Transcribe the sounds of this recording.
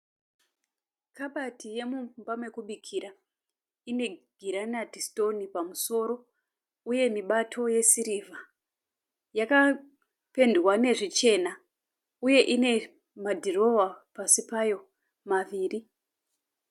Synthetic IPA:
kaɓatʰije̞mumbamwe̞kuɓikʰiɾa | ine̞ɡ̥ʱiɾanadisto̞nipamuso̞ɾo̞ | uje̞miɓatʰo̞je̞siɾiva | jaka | pe̞ndwane̞ʐit͡ʃe̞na | uje̞ʔine̞ | madʱiro̞wapasipajo̞ | maʋiːri

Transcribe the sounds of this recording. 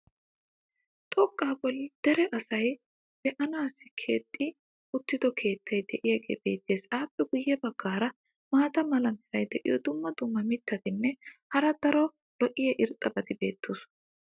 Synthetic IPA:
t̪ʼɔkʼːaːbɔld̪̥ɾɛʔɐsɐj | b̥ɛʔɐnaːsɪkʰe̞̰ːt̪ʼːɪ | ʊt̪ːɪd̪ɔkʰe̞ːt̪ːɐjd̪ɛʔɪjɐɡʼḛːbe̞ːt̪ːe̞ːsaːpːɛɡʊjːɛbɐɡːaːɾɐ | maːt̪ɐmɐlɐmhɪɾɐjd̪ɛʔɪ̰jɔd̪ʊmːɐd̪ʊmːɐmɪt̪ʰːɐt̪ɪnːɛhɐɾɐd̪ɐɾɔ | lɔʔɪjɐʔɪɾt̪ʼːɐbɐd̪ɪbe̞ːt̪ːoːs

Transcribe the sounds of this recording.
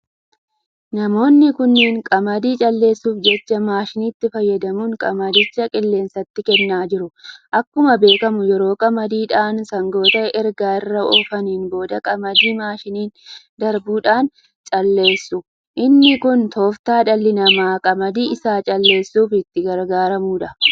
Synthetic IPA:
nɐmo̞ːnːɪkʊnːiːŋkʼɐmɐd̪iːt͡ʃʼɐlːe̞ːsːuːfd͡ʒɛt͡ʃːɐmaːʃɪnit̪ːɪfɐjːɐd̪ɐmuːŋkʼɐmɐd̪ɪt͡ʃːɐkʼɪlːe̞ːnsɐt̪ːɪkɛnːaːd͡ʒɪɾʊʔɐkːʊmɐbe̞ːkɐmʊjɛɾo̞ːkʼɐmɐd̪iːᶑaːnsɐŋɡo̞ːt̪ɐʔɛɾɡaːɪrːɐoːfɐniːnbo̞ːd̪ɐkʼɐmɐd̪iːmaːʃɪniːn | d̪ɐɾbuːᶑaːn | t͡ʃʼɐlːe̞ːsːʊ | ʔɪnːɪkʊnt̪ʰo̞ːft̪aːᶑɐlːɪnɐmaːkʼɐmɐd̪iːɪsaːt͡ʃʼɐlːe̞ːsːuːfɪt̪ːɪɡɐɾɡaːɾɐmuːᶑɐ

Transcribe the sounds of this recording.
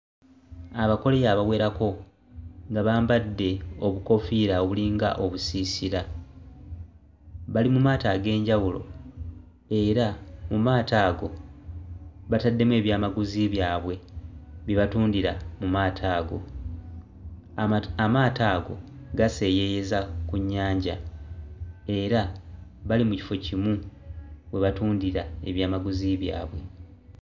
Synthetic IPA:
aβako̞le̞jaːβaβwe̞ːɾako̞ | ŋɡaβaːmbadːe̞o̞βuko̞fiɾaoβuliŋɡa̰ʔo̞βusisiɾa | βalimumaːtaɡe̞ːɲɟawulo̞̰ | e̞ɾamumaːtaːɡo̞ | βatadːe̞mwe̞ːβjaːmaɡuziβjaːβwe̞βiβatuːndiɾamumaːtʰaːɡo̞̰ | amaːtaːɡo̞̰ | ɡase̞ːje̞je̞zakuɲːaːɲɟa | e̞ɾaβalimuci̥fo̞cimu | we̞βatuːndiɾae̞̰βjaːmaɡuziβja̰ːβwe̞

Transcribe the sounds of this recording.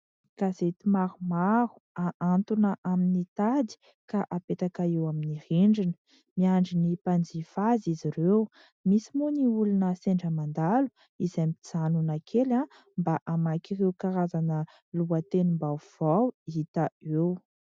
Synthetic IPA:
kazet̪imaɾumaɾu̥aʔant̪unəʔaminit̪ad̪i̥ | kaʔapet̪akaewaminiriɳɖ͡ʐinə̥ | miaɳɖ͡ʐinipand͡zifaziziɾew | misimuniulunəseɳɖ͡ʐəmand̪alu̥ | izajmit͡sanunakʰela | mbaʔamakirewkaɾazanə | luət̪enumbav̥awiit̪əew

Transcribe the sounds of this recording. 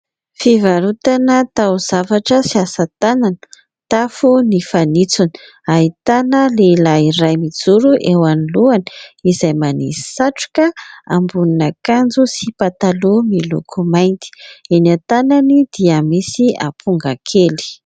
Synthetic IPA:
fivaɾut̪anət̪awz̥avaʈ͡ʂəsiasat̪ananə̥ | t̪afunifanit͡suni̥ | aɦit̪anəlelaiɾajmid͡zuɾuʔewaniluani̥izajmanii̥saʈ͡ʂu̥kəambuninakand͡zusipat̪alumilṵkʰumajnt̪i̥enat̪ananid̪̥iəmisia̰pʰuŋɡakʰeli̥

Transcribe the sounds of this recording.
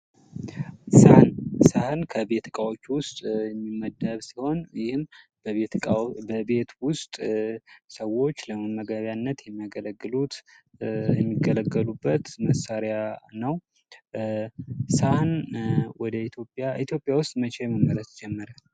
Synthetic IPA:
sahɨnsahɨnkʰəbet̪ʰɨkʼawot͡ʃːwʊst̪ʼjɛmːimːəd̪əβsiho̞njɪhɨmb̪ʼ | bəbe̞t̪wʊst̪ʼ | səwo̞t͡ʃːləməmːəɡəβjanːət̪jɛmːəɡələɡːɨlut̪ | jɛmːiɡələɡːəlubːət̪məsaɾjanəw | sahnwɔd̪əit̪ʰjopʼaʔit̪ʰjo̞pʼːjawʊst̪ʼmət͡ʃʰejɛməmːələsd͡ʒɛmːəɾal

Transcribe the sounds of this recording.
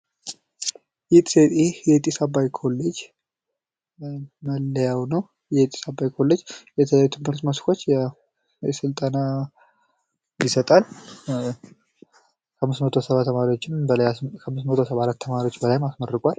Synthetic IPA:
jɛt̪ʼset̪ʼjɛt̪ʼisabajkʰo̞lːed͡ʒ | məlːəjawnəw | jɛt̪ʼi̥sabːajkʰo̞lːed͡ʒjɛt̪ʰəjajut̪ʰɨmhɨɾt̪məskʰo̞t͡ʃːjɛ | ɛsɨlt̪ʼəna | jisət̪ʼal | kʰəmːɨsmət̪ʰo̞səβaəmaɾiwot͡ʃːɪnbəlajkʰəmːɨsmət̪ʰosəβaɾat̪ːʰəmaɾiwot͡ʃːbəlajmasmərːɨkʼwal

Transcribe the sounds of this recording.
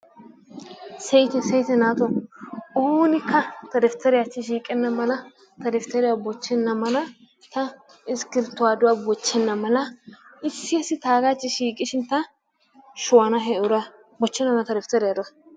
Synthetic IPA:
sɛjt̪ɛsɛjt̪ɛnaːt̪ɔoːnɪkːɐt̪ɐɾɛft̪ːɐɾɪjat͡ʃːɪʃiːkʼɛnːɐmɐlɐ | t̪ɐɾɛft̪ɛɾɪjabɔt͡ʃːɛnːɐmɐlɐ | t̪ɐ | ɪskɪɾt̪ːʊwaːd̪ʊwabɔt͡ʃːɛnːɐmɐlɐɪsːɪɛsɪt̪aːɡat͡ʃːɪʃiːkʼɪʃɪnt̪ɐ | ʃʊwɐnɐɦɛʔʊɾɐ | bɔt͡ʃːɛnːɐmnɐt̪ɐɾɛft̪ɐɾɪjad̪ɔ

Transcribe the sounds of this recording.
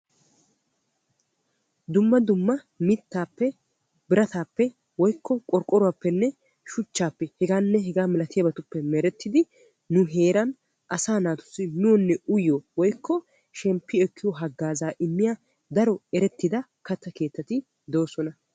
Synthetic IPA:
d̪ʊmːɐd̪ʊmːɐ | mɪt̪ːaːpːɛ | bɪɾɐt̪aːpːɛ | wɔjkʰːɔkʼɔɾkʼɔɾʊwaːpːɛnːɛ | ʃʊt͡ʃːaːpːɛhɛɡaːnːɛɦɛɡaːmɪlɐt̪ɪjɐbɐt̪ʊpːɛmɛɾɛt̪ːɪd̪ɪ | nʊɦe̞ːɾɐn | ʔɐsaːnaːt̪ʊ̥sːɪnʊwɔnːɛʊjowɔjkʰːɔ | ʃɛmpːɪɛkːɪjɔɦɐɡːaːzaːʔɪmːɪja | d̪ɐɾɔɛɾɛt̪ːɪd̪ɐ | kɐt̪ːɐke̞ːt̪ːɐt̪ɪ | d̪oːsɔnɐ

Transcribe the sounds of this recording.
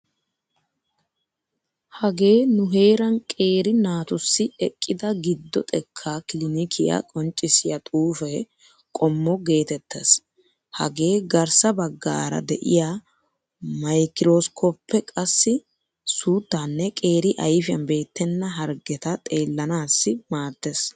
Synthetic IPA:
hɐɡe̞ːnʊɦe̞ːɾɐnkʼe̞ːɾɪnaːt̪ʊsːɪɛkʼːɪd̪ɐɡɪd̪ːɔ̰t̪ʼɛkʰːaːkɪlɪnɪkʰɪja̰kʼɔnt͡ʃʼːɪsɪjɐt̪ʼuːfɛ | kʼɔmːɔɡe̞ːt̪ɛt̪ːɐs | hɐ̰ɡe̞ːɡɐɾsɐbɐɡːa̰ːɾɐ̰d̪ɛʔɪ̰jaː | mɐjkɪɾoːskʰoːpʰːɛkʼɐsːɪ | suːt̪ːanːɛkʼe̞ːɾɪʔɐjfɪjɐ̰nbe̞ːt̪ːɛnːɐɦɐɾɡɛt̪ɐt̪ʼe̞ːlːɐnaːsːɪmaːt̪ːes

